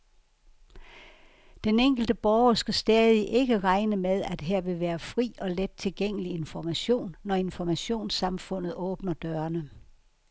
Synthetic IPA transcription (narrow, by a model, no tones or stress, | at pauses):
d̥eneŋ̰ɡ̥l̩d̥əb̥ɒʊɐsɡ̥æsd̥ɛːðˠiʔe̝ɡ̥əʁɑ̈ɪnəmeð̞ˠæd̥ɦæɐ̰ʋe̝ʋæːɐfʁḭːɒ̽led̥̚t͡sʰe̝lɡ̥eŋ̰əlie̝nfɒmæɕo̝̰ːnːɒe̝nfɒmæɕo̝̰ːnsɑ̈mfɔ̽n̰ð̞̩ˠɔ̽ːb̥nɐd̥ɶɐnə